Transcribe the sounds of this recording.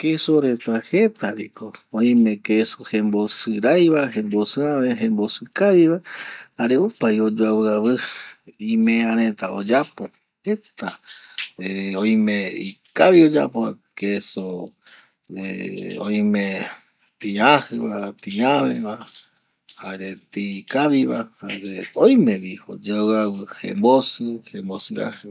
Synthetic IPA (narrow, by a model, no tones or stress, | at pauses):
kesoɾet̪ahe̞t̪aɾikoõj̃mẽ̞kesohẽmbosɨɾajβahẽmbosɨãβeɦẽmbosɨkaβiβahaɾeupajod͡ʒuaβɨaβɨ | ĩmẽãɾ̃ẽt̪aod͡ʒapo | het̪a | eõj̃meikaβiod͡ʒa̰poa | keso | eõj̃mẽ | t̪iahɨβat̪iaβḛβa | haɾet̪ikaβiβahaɾeojmẽβiod͡ʒaβɨawɨhḛmbosɨhembosɨɾa̰hɨ